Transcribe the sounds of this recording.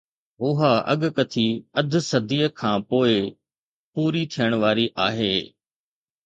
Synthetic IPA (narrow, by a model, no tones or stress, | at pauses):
ʊɦaɐ̰ɠkɐt̪ʰiɐd̪ʱʊ̆sɐd̪ʱiːəkʰãːpoːɪ | puːɾit̪ʰijəɽ̃ʋaːɾiʔaːɦeː